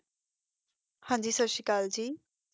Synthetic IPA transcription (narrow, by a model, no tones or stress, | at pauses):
hãːɲd͡ʒiːsəʃikaːld͡ʒiː